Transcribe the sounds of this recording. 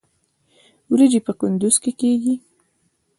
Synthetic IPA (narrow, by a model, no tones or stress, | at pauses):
wɾid͡ʒipəkʊnd̪ʊz̥kekeɡi